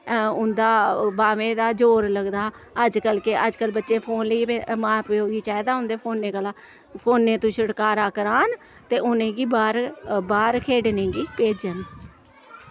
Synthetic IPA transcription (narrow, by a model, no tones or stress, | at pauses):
ʊnd̪aːbaːʋẽːd̪aːd͡ʒoːɾləɡd̪aː | əd͡ʒkəlkeʔəd͡ʒkəlbətːʃeːpʰoːnləiːemãːpɾjoːɡiːt͡ʃaːeːd̪aːʊnd̪eːpʰoːnːeːkəlaː | pʰoːnːẽːt̪ũːʃəɽkaːɾaːkəɾaːn | t̪eːʊnẽːɡiːbaːɾbaːɾkʰeːɖnẽːɡiːpeːd͡ʒən